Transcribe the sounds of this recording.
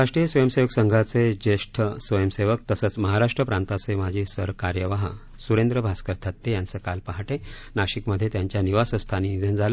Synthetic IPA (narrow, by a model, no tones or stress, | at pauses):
aʂʈɾijəsʋəjəmseʋəksəŋɡʱat͡sed͡ʑeʂʈʰəsʋəjəmseʋək̚t̪əsəːt͡sməɦaɾaʂʈɾəpɾãnt̪at͡semad͡ʑʱiːsəɾkaɾjəʋaɦa̰ | suɾẽnd̪ɾəbʱaskəɾt̪ʰat̪ːejant͡səkalpaɦaʈe | naɕikməd̪ʱːjet̪jaɲt͡ɕjaniʋasə̃st̪ʰaniːid͡zənd͡zʱalə